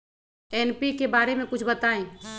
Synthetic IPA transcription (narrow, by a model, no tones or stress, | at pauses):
ɛːnpikebaːɾemẽkʊt͡ʃʰbɐt̪aːẽː